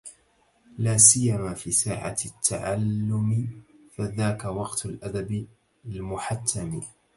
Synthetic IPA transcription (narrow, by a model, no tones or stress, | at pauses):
laːsɪjːamaːfiːsaːʕa̰t̪ʰːa̰ʕalːʊmɪfaðaːkawɑqt̪ʊlʔad̪abɪ | lmʊħat̪ʰːamɪ